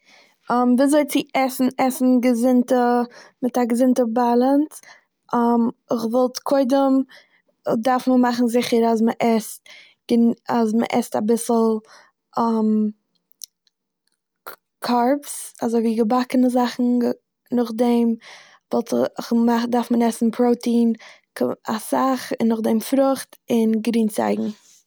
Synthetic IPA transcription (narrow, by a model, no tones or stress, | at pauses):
amviːazoɪt͡sɪʔɛsn̩ɛsn̩ɡəzɪntəmɪtaɡəzɪntəbalˠənt | ʔamɪχvɔlˠtkʰoɪdəm | daɾfməmaχn̩zɪχəɾazməʔɛst̚ | ɡ̥ənazmə̰ʔɛ̰sta̰bɪsl̩ˠ | am | kʰaɾpsazoɪviːɡəbakənəzaχn̩ | nʊχdɛm | vɔlˠtəɪχmadaɾfmənɛsn̩pʰɾoʊtiːn | kasaχɪnːʊχdɛmfɾʊχtɪnɡɾiːnt͡sa̰ɪɡŋ̩